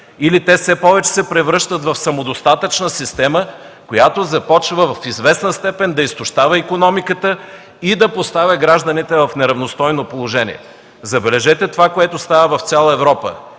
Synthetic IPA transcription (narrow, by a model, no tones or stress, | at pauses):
ilit̪ɛsɛpɔvɛt͡ʃɛ̥sɛpɾɛvɾɤʃt̪ət̪vɐfsɐmod̪ost̪at̪ət͡ʃnəsist̪ɛmə | kojat̪ozɐpɔt͡ʃvəvɐfizvɛsnəst̪ɛpɛnd̪ɐist̪ʊʃt̪avəikonɔmikət̪ə | id̪ɐpost̪avʲɐɡɾaʒd̪ɐnit̪ɛvɐfnɛɾɐvnost̪ɔjnopolˠoʒɛnḭɛ̰ | zɐbɛlɛʒɛt̪ɛt̪ovakoɛt̪ost̪avəvɐft̪sʲjalˠəɛvɾɔpə̰